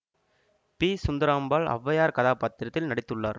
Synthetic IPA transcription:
piːsʊnd̪ɐɾaːmbaːɭɐ̰ʋːɐjaːɾkɐðaːpaːt̪ːɪɾɐt̪ːɪlnɐɽɪt̪ːɯɭːaːɾ

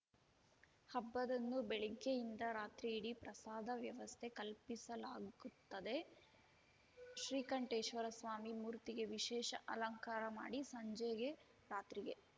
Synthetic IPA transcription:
hɐbːɐd̪ɐnːubɛɭiɡːejind̪ɐɾaːt̪ɾiːɽipɾɐsaːd̪ʱɐʋjɐʋɐst̪ʰe̞kɐlpisɐlaːɡut̪ːɐd̪e̞ | ʃɾiːkɐɳʈeːʃʋɐɾɐsʋaːmimuːɾt̪iɡe̞ʋiʃɛːʃɐʔɐlɐŋkaːɾɐma̰ːɽisɐɲd͡ʒeɡe | ɾaːt̪ɾiɡe̞

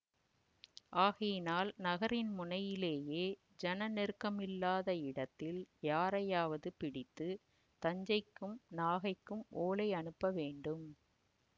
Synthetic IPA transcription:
ʔaːɣɐjɪnaːlnɐɣɐɾɪnmʊnɐjɪleːjeː | d͡ʒɛnɐnɛrkɐmɪlːaːðɐɪɽɐt̪ːɪljaːɾɐjaːʋɐðɯpɪɽɪt̪ːɯ | t̪ɐɲd͡ʒɐɪkːɯmnaːɣɐɪkːɯmʔoːlɐɪɐnɯpːɐʋeːɳɖɯm

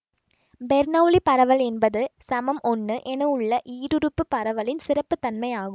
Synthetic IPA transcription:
bɛɾnɐʋlipɐɾɐʋɐlɛnbɐðɯsɐmɐmʔɔnːɯʔɛnɐʊɭːɐʔiːɾɯɾɯpːɯpːɐɾɐʋɐlɪnsɪrɐpːɯt̪ːɐnmɐɪaːɣɯmm

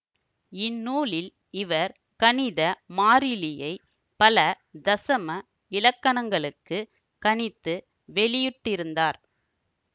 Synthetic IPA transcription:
ɪnːuːlɪl | ɪʋɐɾ | kɐɳɪðɐmaːɾɪlɪjɐɪ | pɐlɐ | d̪ɐsɐmɐ | ɪlɐkːɐɳɐŋɡɐɭɯkːɯ | kɐɳɪt̪ːɯ | ʋɛɭɪjɯʈːɪɾɯnd̪aːɾ

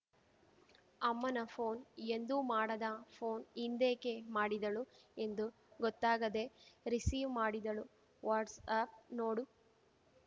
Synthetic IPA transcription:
ɐmːɐnɐpʰoːnend̪umaːɽɐd̪ɐpʰoːnind̪eːke̞maːɽid̪ɐɭue̞nd̪u | ɡɔt̪ːaːɡɐd̪e̞ɾisiːʋmaːɽid̪ɐɭu | ʋaːɾɖsɐp̚noːɽu

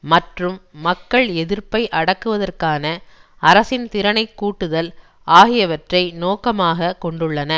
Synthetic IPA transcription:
mɐʈrɯmːɐkːɐɭɛðɪrpɐɪʔɐɽɐkːɯʋɐðɐrkaːnɐ | ɐɾɐsɪnt̪ɪɾɐnɐɪkːuːʈːɯðɐl | aːɣɪjɐʋɐʈrɐɪnoːkɐmaːɣɐkɔɳɖɯɭːɐnɐ

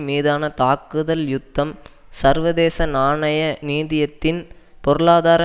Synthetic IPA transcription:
miːðaːnɐt̪aːkɯðɐljʊt̪ːɐmsɐɾʋɐðeːsɐnaːɳɐjɐniːðɪjɐt̪ːɪn | pɔɾɯɭaːðaːɾɐ

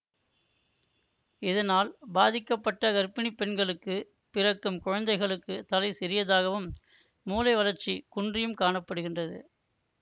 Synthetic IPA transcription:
ɪðɐnaːlbaːðɪkːɐpːɐʈːɐɡɐɾpːɪnipːɛnɡɐɭɯkːɯ | pɪrɐkːɯmkʊɻɐnd̪ɐɪɣɐɭɯkːɯt̪ɐlɐɪsɛɾɪjɐðaːɣɐʋɯmː | uːlɐɪʋɐlɐɾt͡ʃːikʊndrɪjɯmkaːɳɐpːɐɽɯɣɪndrɐðɯ̰

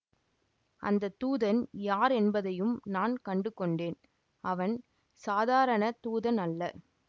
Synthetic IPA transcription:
ʔɐ̰nd̪ɐt̪uːðɐnjaːɾɛnbɐðɐjɯmnaːnkɐɳɖɯkːɔɳɖeːn | ɐʋɐn | saːðaːɾɐɳɐt̪uːðɐnɐlːɐ

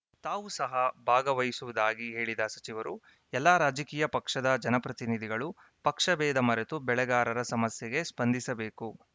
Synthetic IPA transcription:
t̪aːʋusɐɦɐbʱaːɡɐʋɐjisuʋud̪aːɡiɦe̞ːɭid̪ɐsɐt͡ʃiʋɐɾu | ɛlːaɾaːd͡ʒɐkiːjɐpɐkʂɐd̪ɐd͡ʒɐnɐpɾɐt̪inid̪ʱiɡɐɭu | pɐkʂɐbɛːd̪ɐmɐɾet̪ubɛɭɛɡaːɾɐɾɐsɐmɐsjɛɡe̞spɐnd̪isɐbe̞ːku

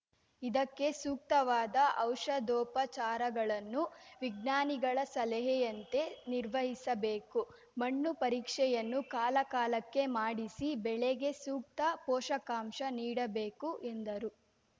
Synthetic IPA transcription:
id̪ɐkːe̞suːk̚t̪ɐʋaːd̪ɐʔɐwʂɐd̪ɔːpɐt͡ʃaːɾɐɡɐɭɐnːuʋiɡ̚naːniɡɐɭɐsɐlɛɦɛjɐnt̪e̞niɾʋɐɦisɐbeːku | mɐɳːupɐɾiːkʂɛjɐnːukaːlɐkaːlɐkːe̞maːɽisibɛɭeɡe̞suːk̚t̪ɐpɔːʃɐkaːmʃɐniːɽɐbeːkuʔend̪ɐɾu

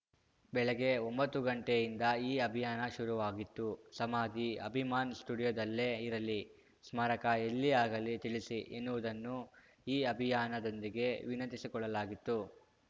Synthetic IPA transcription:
bɛɭɐɡe̞o̞mbɐt̪ːuɡɐɳʈejind̪ɐiːɐbʱijaːnɐʃuɾuʋaːɡit̪ːusɐmaːd̪ʱiɐ̰bʱimaːnsʈuːɽijod̪ɐlːeːiɾɐlːi | smaːɾɐkɐelːiaːɡɐlit̪iɭisiʔenːuʋud̪ɐnːu | iːɐbʱijaːnɐd̪o̞nd̪iɡe̞ʋinɐnt̪isikɔɭːɐlaːɡit̪ːu

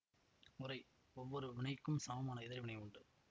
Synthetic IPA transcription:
ʊɾɐɪ | ɔʋːɔɾɯʋɪɳɐɪkːɯmsamɐmaːnɐɪðɐɾʋɪɳɐɪʊɳɖɯ

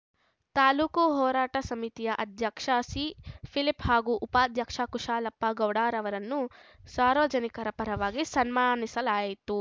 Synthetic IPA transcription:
t̪aːluːkuɦɔːɾaːʈɐsɐmit̪ijɐʔɐd̪ʱjɐkʂaːsiːpʰiliphaːɡuːʔːpaːd̪ʱjɐkʂaːkuʂaːlɐpːaɡɐwɽaːɾɐʋɐɾɐnːusaːɾʋɐd͡ʒɐnikɐɾɐpɐɾɐʋaːɡisɐnmaːnisɐlaːjit̪u

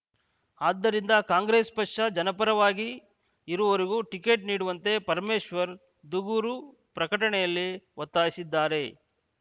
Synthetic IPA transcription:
aːd̪ːɐɾind̪ɐkaːŋɡɾeːspɐkʂɐd͡ʒɐnɐpɐɾɐʋaːɡi | iɾuʋɐʋɐɾiɡuʈike̞ːʈ̚niːɽuʋɐnt̪e̞pɐɾmeːʃʋɐɾ | d̪uɡuɾu | pɾɐkɐʈɐɳɛjɐlːiʋɐt̪ːaːjisid̪ːaːɾe̞

